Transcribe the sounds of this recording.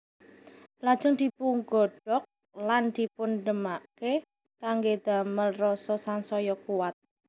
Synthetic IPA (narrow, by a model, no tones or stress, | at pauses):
lad̥ʒ̥ʊŋd̪̥i̤puŋɡɔɖ̥ɔk̚ | land̪̥i̤punɖəmake | t̪aŋɡed̪̥a̤məlrɔsɔsansɔjɔkuwat̪̚